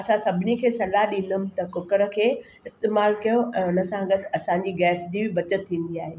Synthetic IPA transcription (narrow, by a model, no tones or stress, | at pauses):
ɐsãsɐbʱɪnikʰeːsɐlaɦɗĩːn̆d̪əmɪ̆t̪ɐkʊkəɾə̆kʰeː | ɪst̪eːmaːlkijoʔɛ̃ʊnəsãɡɐʈɐsãɲd͡ʑiɡɛːsd͡ʑibɪbɐt͡ɕət̪ʰːĩːn̆d̪iaːɦeː